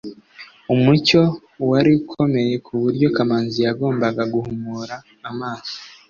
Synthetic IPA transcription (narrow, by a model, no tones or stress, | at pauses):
umuco̞ | waɾikʰo̞me̞je̞kʰuβuɾɟo̞kamaːnzijaɡo̞ːmbaɡaɡuhumuːɾaː | maːzo̥